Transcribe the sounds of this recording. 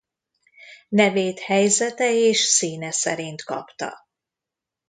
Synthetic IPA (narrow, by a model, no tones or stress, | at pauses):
nɛveːt̪hɛjzɛt̪ɛeːʃsiːnɛsɛ̰ɾint̪kɒ̰pt̪ɒ̰